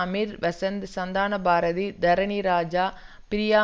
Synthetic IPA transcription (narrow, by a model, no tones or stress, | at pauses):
ɐmiːɾʋɐsɐnd̪sɐnd̪aːnɐbʱaːɾɐðid̪ɐɾɐɳiɾaːd͡ʒaː | pɪɾɪjaː